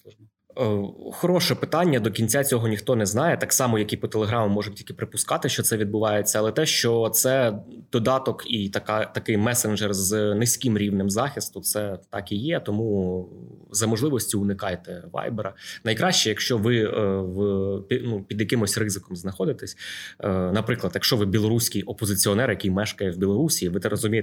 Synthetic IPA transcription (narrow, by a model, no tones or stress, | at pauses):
xɔɾɔʃɛpɪt̪ɑnʲːɐd̪ɔkʲinʲt͡sʲat͡sʲɔɦɔnʲixt̪ɔnɛznɑjɛt̪ɑksɑmɔjɐkʲipɔt̪elˠeɦɾɑmʊmːɔʒɐtʲilʲkɪpɾɪpʊskɑt̪ɪʃt͡ʃɔt̪sɛʋʲid̪̚bʊʋɑjet͡sʲːɐɐlˠɛt̪ɛʃt͡ʃɔt̪sɛd̪̥ɔd̪ɑt̪ɔkit̪ɐkɑt̪ɐkɪjmɛsenʒɛrznɪsʲkʲimɾʲiʋnɪmzɑxʲist̪ʊt̪sɛt̪ɑkijɛt̪ɔmu | zɐmɔʒlˠɪʋɔsʲtʲʊʊnɪkɑjt̪ɛʋɑ̰jbeɾɐnɐjkɾɑʃt͡ʃɛjɐkʃt͡ʃɔʋɪʋpʲinupʲid̪jɐkɪmɔsʲrɪzɪkɔmznɐxɔd̪ɪt̪ɛsʲ | nɐpɾɪklˠɐt̪jɐkʃt͡ʃɔʋɪbʲilˠɔɾusʲkʲijɔpɔzɪt͡sʲiɔnɛɾjɐkʲijmɛʃkɐjɛwbʲilˠɔɾusʲiʋɪt̪ɛɾrɔzʊmʲij